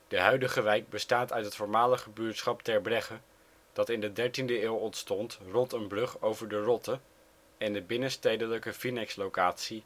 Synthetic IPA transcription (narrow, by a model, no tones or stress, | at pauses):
d̥əɦœɥdəχəʋɛjk̚bəstaːtœɥtɦətfʊːɹmaːləχəbyːɹtsχɑptɛɹbrɛχə | d̥ɑtɪndədɛɹtindəeːlˠɔntstɔntrɔntənbrɵχowvəɹdərɔtə | ɛndəbɪnəstejdələkəfinɛkslowkaːtsi